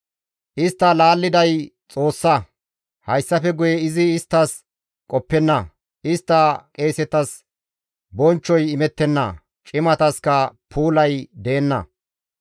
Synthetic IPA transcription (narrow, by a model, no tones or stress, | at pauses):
ʔɪst̪ːɐlaːlːɪd̪ɐjt͡sʼo̞ːsːɐ | hɐjsːɐfɛɡʊjɛɪzɪːst̪ːɐs | kʼɔpːɛnːɐ | ʔɪst̪ːɐkʼe̞ːsɛt̪ɐs | bɔnt͡ʃːɔjɪmɛt̪ːɛnːɐ̰ | t͡ʃʼɪmɐt̪ɐskɐpʰuːlɐjd̪eːnːɐ̰